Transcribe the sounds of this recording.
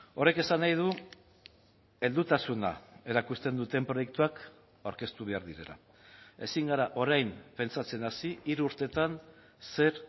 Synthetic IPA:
o̞ɾreke̞sanajð̞u | e̞ld̪ut̪asuna̰e̞ɾakust̪end̪ut̪e̞mpɾo̞jek̚t̪uak | awɾke̞st̪uβe̞aɾðiɾe̞̰la̰ | e̞siŋɡaɾaʔo̞ɾajmpe̞nt͡sat͡se̞nasiiɾuuɾt̪e̞t̪an | se̞ɾ

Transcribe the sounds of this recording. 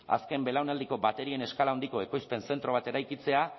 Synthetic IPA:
a̰ske̞mbe̞lawnald̪iko̞bat̪e̞ɾie̞ne̞skalaond̪iko̞e̞ko̞jspe̞nse̞nt̪ɾo̞β̞at̪e̞ɾajkit͡se̞a

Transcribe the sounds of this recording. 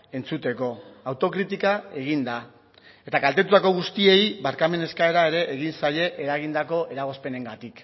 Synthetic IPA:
e̞nt͡sut̪e̞ko̞awt̪o̞kɾit̪ikae̞ɣ̞ind̪a | e̞t̪akalt̪e̞t̪ut̪ako̞ɣ̞ust̪ie̞jβaɾkame̞ne̞skae̞ɾae̞ɾe̞ʔeɣinsaje̞ʔeɾaɣ̞ind̪ako̞ʔe̞ɾaɣ̞ospe̞ne̞ŋɡat̪ik

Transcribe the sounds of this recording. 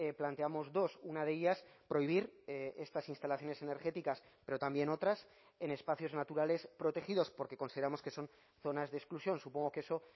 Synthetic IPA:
plant̪e̞amo̞zðo̞sunað̞e̞ʎaspɾo̞iβiɾe̞st̪asinst̪alaθjo̞ne̞se̞ne̞ɾxe̞t̪ikaspe̞ɾo̞t̪ambje̞no̞t̪ɾas | e̞ne̞spaθjo̞znat̪uɾale̞spɾo̞t̪e̞xiðo̞spo̞ɾke̞ko̞nsið̞eɾamo̞ske̞so̞n | θo̞nazðesklusjo̞nsupo̞ŋɡo̞ke̞so̞

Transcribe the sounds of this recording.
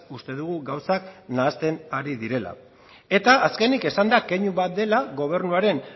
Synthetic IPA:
ust̪e̞ðuɣuɣawsaknaːst̪e̞naɾiðiɾe̞la̰ | e̞t̪aːske̞nike̞sand̪akeɲuβat̪̚d̪e̞laɣo̞β̞e̞ɾnuaɾe̞n

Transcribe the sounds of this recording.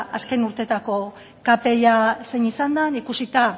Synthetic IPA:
ʔaske̞nuɾt̪e̞t̪ako̞ | kape̞ʎase̞ɲisand̪anikusit̪a

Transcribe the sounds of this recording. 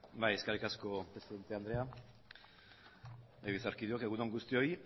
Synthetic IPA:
bajeskarikasko̞pɾe̞siðe̞nt̪eand̪ɾe̞a | eβisaɾkiðuokeɣunoŋɡust̪io̞j

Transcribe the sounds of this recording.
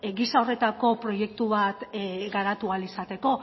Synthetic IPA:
ɡisao̞re̞t̪ako̞pɾo̞je̞k̚t̪uβ̞at̪ɡaɾat̪ualisat̪e̞ko̞

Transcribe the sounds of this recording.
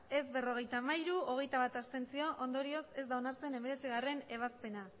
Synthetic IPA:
e̞zβe̞ro̞ɣ̞e̞jt̪aːmaiɾuo̞ɣ̞e̞jt̪aβ̞at̪ast̪e̞nt͡sio̞ʔond̪o̞ɾio̞se̞zd̪aonaɾt͡se̞ne̞me̞ɾe̞t͡siɣ̞are̞ne̞β̞aspe̞na

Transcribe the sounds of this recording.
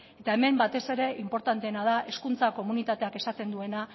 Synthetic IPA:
e̞t̪ae̞me̞mbat̪e̞se̞ɾe̞ʔimpo̞ɾt̪ant̪e̞ːnað̞aʔe̞skunt͡sako̞munit̪at̪e̞ake̞sat̪e̞nd̪ue̞na

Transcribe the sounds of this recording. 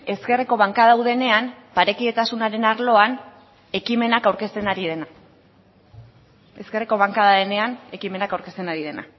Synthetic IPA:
e̞ske̞reko̞β̞aŋkaðawðe̞ne̞anpaɾe̞kie̞t̪asunaɾe̞naɾlo̞an | e̞kime̞nakawɾke̞st̪e̞naɾið̞e̞na | e̞ske̞reko̞β̞aŋkaðaðene̞ane̞kime̞nakawɾke̞st̪e̞naɾiðe̞na̰

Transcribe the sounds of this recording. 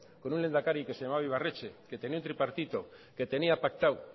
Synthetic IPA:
ko̞nunle̞nd̪akaɾikesejamaβaiβ̞aret͡ʃeke̞t̪e̞niaunt̪ɾipaɾt̪it̪o̞ | ke̞t̪e̞niapak̚t̪aw

